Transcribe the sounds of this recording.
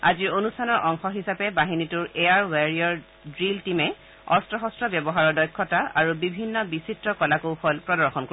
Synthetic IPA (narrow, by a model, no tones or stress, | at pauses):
aziɹonustʰanɔɹʔɔŋxɔɦisapɛbaɦinituɹʔejaɹwaɹiɔɹ | dɹiltimɛ | ɔ̰stɹɔxɔstɹɔbjɔbɔɦaɹɔɹdɔjkʰːɔtaʔaɹubibʱinːɔbisitɹɔkɔlakowpʰɔlpɹɔdɔɹxɔnko